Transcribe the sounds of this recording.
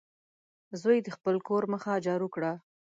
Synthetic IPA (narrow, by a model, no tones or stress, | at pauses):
zojd̪əxpəlkoɾməxad͡ʒɑɾukɽa